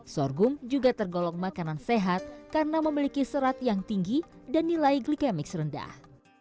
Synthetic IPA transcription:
sɔrɡʊmd͡ʒuɡat̪ərɡolɔŋmakananseɦat̪̚karənaməmilikisəɾat̪jaŋt̪iŋɡidanːilaiɡlikɛmɪk̚srənda̰h

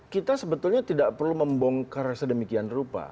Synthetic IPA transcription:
kit̪asəbət̪ulɲat̪idaʔpərluməmbɔŋkaɾasədəmikianrupa̰

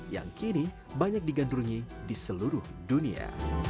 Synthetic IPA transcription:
ja̰ŋkini | baɲak̚diɡandɾuŋi | disəluɾʊhdunia̰

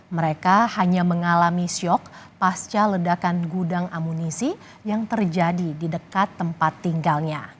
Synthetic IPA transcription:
məɾekahaɲaməŋalamisiɔk̚past͡ʃalədakanɡudaŋamunisi | jaŋt̪ərd͡ʒadididəkat̪ːəmpat̪ːiŋɡalɲa

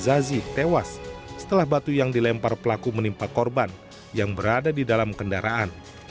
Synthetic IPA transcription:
zazit̪ewasːə̥t̪əlahbat̪ujaŋdilɛmparpəlakumənimpakɔrban | jaŋbəɾadadidalamkəndaɾʔaʔan

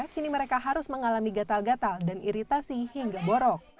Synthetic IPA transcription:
kiniməɾekaɦaɾʊsməŋalamiɡat̪alɡat̪aldaniɾit̪asihiŋɡaboɾɔk̚

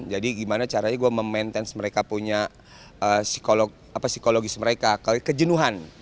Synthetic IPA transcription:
d͡ʒadiɡimanat͡ʃaɾaɲaɡuaməmɛnt̪ɛnsməɾekapuɲa | əsi̥kolo | apasi̥koloɡisməɾekakakəd͡ʒənuɦan

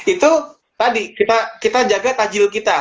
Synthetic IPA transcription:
it̪u | t̪adikit̪akit̪ad͡ʒaɡat̪ad͡ʒɪlkit̪a

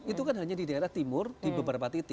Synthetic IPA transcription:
it̪ukanɦaɲadidaeɾaht̪imʊrd̥ibəbəɾapat̪it̪ɪ

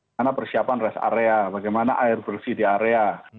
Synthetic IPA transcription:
napərsiapanrɛsa̰ɾeabaɡajmanaʔaɪrbərsidiaɾea

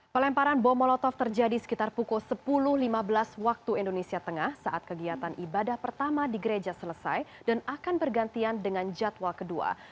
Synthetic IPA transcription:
pəlɛmpaɾanbɔmɔlɔt̪ɔft̪ərd͡ʒadisə̥kit̪arpukusəpulʊhlimabəlaswak̚t̪uɛndonesiat̪əŋahsaʔat̪̚kəɡiat̪anʔibadahpərt̪amadiɡəɾed͡ʒasələsa̰jdanakanbərɡant̪iandəŋand͡ʒat̪wakədua̰

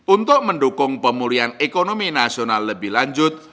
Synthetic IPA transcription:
ʔunt̪ʊʔməɳɖukʊŋpəmulianekonominasionalːəbɪhlaɲd͡ʒʊt̪̚

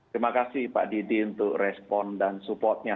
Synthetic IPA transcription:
t̪ɾimakasɪhpa̰ʔdidiunt̪ʊk̚rɛspɔndansupɔrt̪̚ɲa

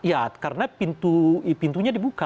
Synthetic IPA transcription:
jakaɾənapint̪upint̪uɲadibuka

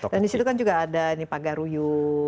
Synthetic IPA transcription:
dandisit̪ukand͡ʒuɡaːdanipaɡaɾuju

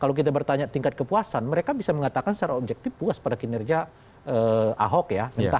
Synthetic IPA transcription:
kalawkit̪̬abərt̪aɲat̪iŋkat̪̚kəpuasanməɾekabisaməŋat̪akansət̪aɾaob̚d͡ʒɛk̚t̪ɪfpuaspadakinɛrd͡ʒia | əʔa̰ɦɔkjaɡənt̪a

